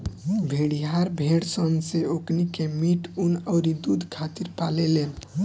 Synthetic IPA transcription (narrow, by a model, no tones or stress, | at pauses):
bʱeɽiɦaɾbʱeɽsənseoknikemiʈunəʊɾid̪ud̪ʱkʰat̪iɾpalelen